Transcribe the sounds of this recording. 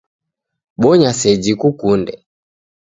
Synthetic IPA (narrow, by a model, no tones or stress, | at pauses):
ɓɔɲasɛd͡ʒikukundɛ